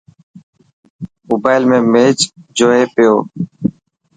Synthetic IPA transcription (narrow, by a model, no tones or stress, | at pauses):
moːbaːɪlmẽːmeːt͡ʃd͡ʒoːeːpɪjoː